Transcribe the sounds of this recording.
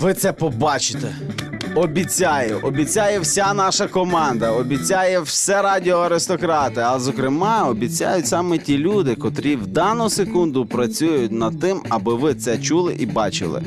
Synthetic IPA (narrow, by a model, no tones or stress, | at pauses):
ʋɪt̪sɛpɔbɑt͡ʃɪ̥t̪ɛ | ɔbʲit͡sʲajʊʔɔbʲit͡sʲajɛwsʲanɑʃɐkɔmɑnd̪ɐɔbʲit͡sʲajɛwsʲɛɾɑdʲiɔɐɾɪst̪ɔkɾɑt̪ɪɐlˠɛzɔkɾɪmɑɔbʲit͡sʲa̰jʊtʲsɑmɛtʲilʲud̪ɪkɔt̪ɾʲiwd̪ɑnʊsekund̪ʊpɾɐt͡sʲujʊt̚ʲnɐd̪̚t̪ɪmɐbɪʋɪt̪sɛt͡ʃulˠɪʔibɑt͡ʃɪ̰lˠɪ̰